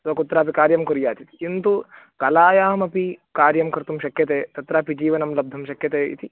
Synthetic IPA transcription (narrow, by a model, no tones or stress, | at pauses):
sɐkut̪ɾaːpikaːɾjɐmkuɾjaːt̪it̪i̥kint̪u | kɐlaːjaːmɐpikaːɾjɐmkɐɾt̪umʃɐkjɐt̪eːt̪ɐt̪ɾaːpid͡ʒiːʋɐnɐmlɐb̚d̪ʱɐmʃɐkjɐt̪eːḭt̪ʰi